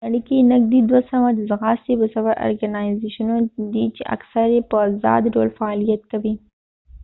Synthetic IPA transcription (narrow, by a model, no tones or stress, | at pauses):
aɽikinaɡ̚d̪id̪wasawad̪əzɣɑsibəsawaɾʔo̰ɾɡanazeʃanod̪it͡ʃeʔa̰ksaɾjepəzɑ̰ːd̪ɖo̰lfaːlijat̪kawi